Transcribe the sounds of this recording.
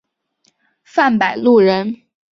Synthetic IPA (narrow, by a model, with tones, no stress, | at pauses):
fa˥˩npa˨˩ɪlu˥˩ɻə˧˥n